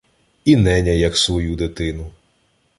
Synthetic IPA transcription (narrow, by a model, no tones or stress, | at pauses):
inɛnʲɐjɐksʋɔjud̪ɪt̪ɪnʊ